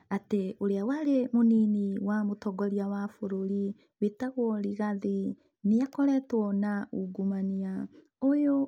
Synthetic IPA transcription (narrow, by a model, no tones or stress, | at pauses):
ateoɾeawaɾemoniniwamotɔɡɔɾiawafoɾoɾi | wetaɣwɔɾiɣaði | neakɔɾɛtwɔnauɡumania | ojo